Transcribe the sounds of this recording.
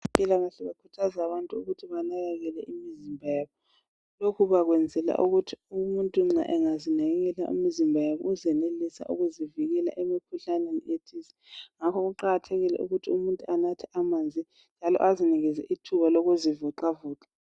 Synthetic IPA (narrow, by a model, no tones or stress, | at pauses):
impʼilaɣaɬɛβakʰu̥tʰazaaβantʼuuɣutʰiβanalaɣɛlɛʔimizimbʱajaβɔ | lokʰuβaɣwɛnd͡zʱɛla̰ʔuɣutʰiumuntʼuŋ͡ǀa̰ʔɛŋazinɛɣɛlaʔṵmizimbʱajaβɔuzɛnelisa̰ʔṵɣuziviɣɛla̰ʔemikʰuɬanenḭetʰisɛ̥ŋakʰɔɣuǃaɣatʰɛɣilɛ̰ʔṵɣutʰiumuntʼuanatʰɛʔamaːnd͡zʱi | nnd͡ʒʱalɔ̰ʔaziniɣizɛ̰ʔitʰuβaloɣuzivuǃavuːǁḁ